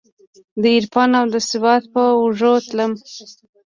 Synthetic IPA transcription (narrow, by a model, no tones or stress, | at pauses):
d̪əiɾpɑnawd̪əsɪbɑt̪̚pəuʐot̪ləm